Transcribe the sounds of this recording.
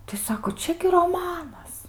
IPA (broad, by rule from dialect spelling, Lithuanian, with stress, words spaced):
tɐɪ ˈsɑːkoː ˈt͡ʃʲɛ ɡʲɪ roːˈmɑːnɐs